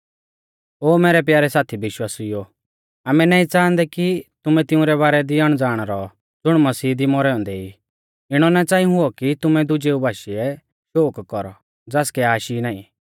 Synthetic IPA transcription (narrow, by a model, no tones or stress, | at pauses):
oːmɛːɾɛp̬jaːɾɛsaːt̪ʰibɪʃwaːsɪjo | aːmɛnaːĩt͡sãːnd̪ɛkit̪ʊmɛ̃t̪ɪ̃ʊ̃ɾɛβaːɾɛd̪iɐɽ̃d͡zaːɽ̃ɾɔ | d͡zʊɽ̃mɐsiːd̪imɔɾɛɔ̃ːnd̪ɛi | ɪɽ̃ɔnat͡saːĩũɦʊɔkit̪ʊmɛd̪ʊd͡ʒeːubʱaːʃiɛ | ʃoːkkɔɾɔ̰ | d͡zaːskɛaːʃinãːḭ̃